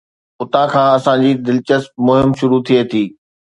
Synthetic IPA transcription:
ʊt̪ãkʰãːɐsãd͡ʑiːd̪ɪlt͡ɕəsp̚mʊɦɪmʃʊɾut̪ʰiet̪ʰiː

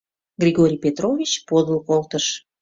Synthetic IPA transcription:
ɡrʲiɣoɾʲijpet̪rovʲit͡ɕpod̪əlkolt̪əʃ

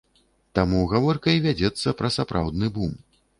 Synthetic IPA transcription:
t̪amuɣavɔrkɐjvʲad͡zʲɛt̪sːɐpɾɐsapɾʔa̰wd̪nɨbum

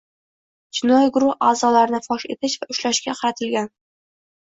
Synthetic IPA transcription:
t͡ʃʰɪnɒjɡʊɾʊhaːzɒlaɾɪnɪfɒʃe̞t̪ʰɪʃvaʔʊʃlaʃkʲaqʰɑɾat̪ʰɪlɡʲan

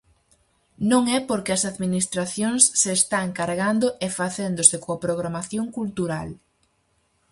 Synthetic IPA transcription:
nõŋɛpoɾkɪɐsaðminist̪ɾaθjoŋsːeːst̪aŋkaɾɣand̪oʔefaθend̪osɪkoapɾoɣ̞ɾamaθjõŋkult̪uɾal

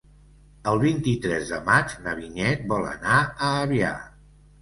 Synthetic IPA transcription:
əlˠβint̪it̪ɾɛzðəmad͡ʒnəβiɲɛt̪̚bɔlə̰naəːβia̰

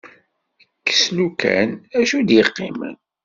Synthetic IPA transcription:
əkːə̥slukʰæ̰næʃud̪jəqːimə̰n

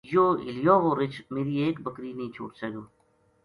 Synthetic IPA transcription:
joːɪ̰lijoːʋoːɾɪt͡ʃmeːɾieːkbəkɾinəĩt͡ʃʰo̰ːʈseːɡoː

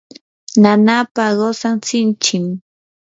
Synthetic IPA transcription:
nanapaɢosaŋt͡sɪnt͡ʃɪm

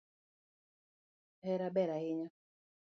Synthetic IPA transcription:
hɛɾabɛɾahɪɲa

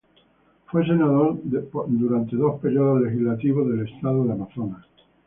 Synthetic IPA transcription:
fwe̞s̬e̞naðoɾd̪uɾant̪eðo̞speɾjoðozle̞xizlat̪iβozðe̞le̞st̪aðoðeamaθonas

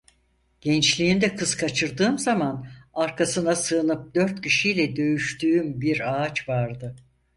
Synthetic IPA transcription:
ɟ̥ɛnt͡ʃlʲiːnd̪ɛkʰɯz̥kʰat͡ʃʰɯɾd̪ɯːmzamanaɾkasɯnasɯɯnɯp̚d̪ø̞ɾt̪cʰiʃijlʲɛd̪ø̞jyʃt̪ʰyːymbiɾaːt͡ʃvaɾd̪ɯ

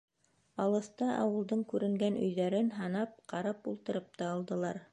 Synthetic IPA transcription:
ɑlˠɤ̆θt̪ɑʔɑ̰wɤ̆lˠd̪ɤɴkʉɾɘ̆ŋɡænɵ̰̆jðæɾɘnɦɑnɑp̚qɑɾɑpulˠt̪ɤ̆ɾɤp̚t̪ɑːlˠd̪ɤ̆lˠɑɾ

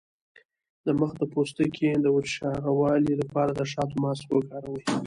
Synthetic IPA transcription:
d̪əməxd̪əpost̪əkʰed̪əwʊʃɑɾawɑlilapɑɾad̪əʂɑt̪omɑswəkɑɾawə

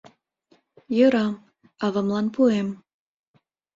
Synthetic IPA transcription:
jəɾɑm | ɑβɑmlɑnpuem

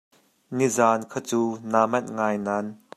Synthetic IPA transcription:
nizaːnkʰɐt͡suːnaːmɐnŋaːjnaːn

